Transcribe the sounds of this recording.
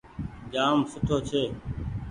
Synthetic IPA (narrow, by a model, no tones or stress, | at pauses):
d͡ʒaːmsʊt̪ʰoːt͡ʃʰeː